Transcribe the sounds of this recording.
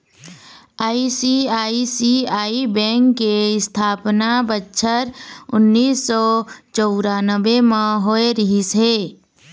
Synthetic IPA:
aːisiaːisiaːibɛ̃ːŋkːeɪst̪ʰaːpnabətːʃʰəɾʊnːiːsːɔːt͡ʃəʊɾaːnəbemãɦoːeɾɪɦisɦeː

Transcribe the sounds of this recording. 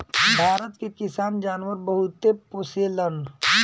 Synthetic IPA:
bʱaːɾət̪kekisaːnd͡ʒaːnʋəɾbəɦut̪ːeposelən

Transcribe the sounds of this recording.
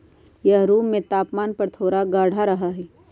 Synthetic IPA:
jɐɦɾuːẽt̪aːpmaːnpɐɾt̪ʰoːɾaɡaːɽ̤aɾɐɦaɦɛː

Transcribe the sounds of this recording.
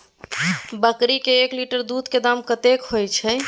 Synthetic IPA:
bəkɾikeːkliʈəɾd̪ud̪ked̪amkət̪ekhojt͡ʃʰə

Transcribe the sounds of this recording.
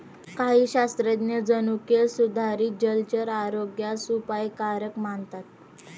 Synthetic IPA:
kaɦiːɕast̪ɾed̪njəd͡zənukjesud̪ʱaɾiːd͡ʑəlt͡ɕəɾaɾoɡjasupajkaɾəkmant̪at̪̚

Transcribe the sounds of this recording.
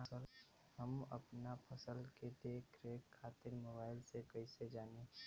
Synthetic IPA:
əl | ɦəmə̰pnapʰəsəlked̪eːkʰɾekʰːaːt̪ɪɾmoːbaːɪlsekəɪsed͡ʒaːne

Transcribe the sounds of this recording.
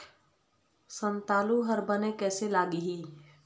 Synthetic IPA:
sə̃nt̪aːluɦəɾbənekɛːselaːɡiɦiː

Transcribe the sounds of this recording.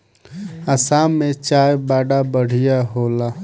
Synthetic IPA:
əsamet͡ʃaːjbaːɖabəɽ̤ijaɦola

